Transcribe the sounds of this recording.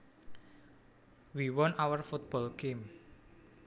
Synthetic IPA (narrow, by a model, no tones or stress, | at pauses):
wiwɔnawərfut̪̚b̥ɔlɡ̥em